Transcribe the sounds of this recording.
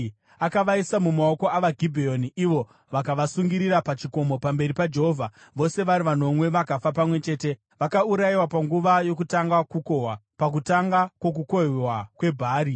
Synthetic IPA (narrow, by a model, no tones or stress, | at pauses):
akaʋaisamumao̞ko̞aʋaɡʱibʱeoniʔiʋo̞ | ʋakaʋasuŋɡiɾiɾapat͡ʃiko̞mo̞pambe̞ɾipad͡ʒe̞ɦovʱa | ʋo̞se̞ʋaɾiʋan̤o̞mwe̞ʋakafapamwe̞t͡ʃe̞ːte̞ | ʋakauɾaiwapaŋɡuʋajo̞kutaŋɡakukowapak̬utaŋɡakwo̞k̬ukowakwe̞bʱaːɾi